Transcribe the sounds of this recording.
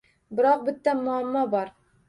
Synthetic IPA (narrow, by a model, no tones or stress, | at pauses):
bɪɾɒq̚bɪt̪ːæmʊamːɒbɒɾ